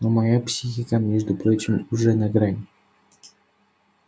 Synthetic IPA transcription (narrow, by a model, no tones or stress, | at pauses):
nomajapsʲixʲikamʲeʐd̪upɾot͡ɕɪmuʐɛnaɡɾanʲ